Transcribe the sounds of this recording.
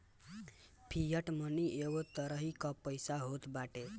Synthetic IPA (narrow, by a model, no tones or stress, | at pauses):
pʰijəʈməniʔeɡot̪əɾəɦikɔpəjsaɦot̪baʈe